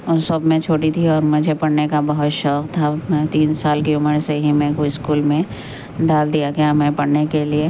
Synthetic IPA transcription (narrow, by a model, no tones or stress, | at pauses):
ʊsɐbmẽt͡ʃʰoːʈit̪ʰiɔːɾmʊd͡ʒʱepɐɽnekabɐɦʊt̪ʃɔqt̪ʰamɛ̃ːt̪iːnsaːlkeʊməɾseɦimɛ̃ːkoɪskuːlmẽ | ɖaːld̪ijaɡejamɛ̃pɐɽnekelie